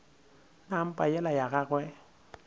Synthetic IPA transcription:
nam̩pʼajɛlajaɣaɣwɛ

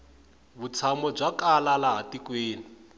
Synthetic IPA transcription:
βut͡sʰamɔb͡ʐakalalaɦatikweːni

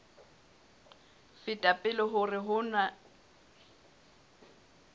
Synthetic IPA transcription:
fɪtʼapʼɪlɔɦʊrɪɦʊna

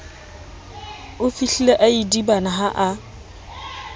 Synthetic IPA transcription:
ʊfiɬileʔaidibanaɦaʔa

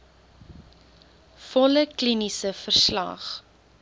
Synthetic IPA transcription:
fɔləklinisəfərslɐ̰χ

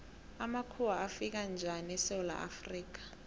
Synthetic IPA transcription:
amakʰuwaafik̬and͡ʒʱanɛsɛwla̰ʔa̰friːk̬ḁ

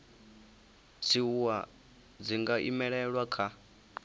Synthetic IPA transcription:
t͡sʰiuwa | d͡ziŋɡaʔḭmɛɺɛɺwakʰa

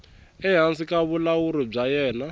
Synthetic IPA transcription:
ɛɦansikaβulawuɾɔb͡ʐajɛːna

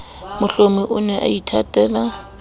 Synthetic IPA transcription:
mʊɬomiʔʊnɛʔa̰itʰatʼɛːla

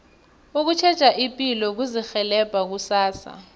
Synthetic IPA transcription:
uk̬ut͡ʃʰɛd̥t͡ʃʼaʔipʼilɔk̬uzixɛlɛb̥ʱak̬usaːsa̰

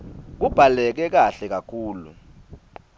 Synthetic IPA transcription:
k̬ub̥ʱalɛk̬ɛk̬aɬɛk̬akʰuːlṵ

